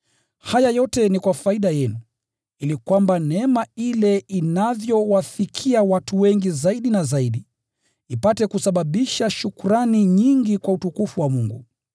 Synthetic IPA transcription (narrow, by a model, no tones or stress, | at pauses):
hajajɔtɛnikwafaiɗajɛnu | ilikwambanɛmailɛinavjɔwafikʰiawatuwɛŋɡizaiɗinazaiɗi | ipatɛkusaɓaɓiʃaʃukuɾaniɲiŋɡikwautukufuwamuŋɡṵ